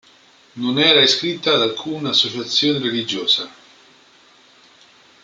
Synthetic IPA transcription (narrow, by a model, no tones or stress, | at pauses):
nonɛːɾaeskɾit̪ːaːd̪alkʰuːnaːsːot͡ʃat̪sːjoːnerelid͡ʒoːsa